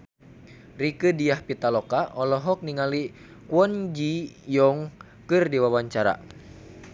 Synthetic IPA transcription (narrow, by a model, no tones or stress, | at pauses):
rikɨdijahpit̪alɔkaʔɔlɔɦɔk̚niŋali | kwɔnd͡ʒijɔŋ | kɨrdiwawaɲt͡ʃaɾa̰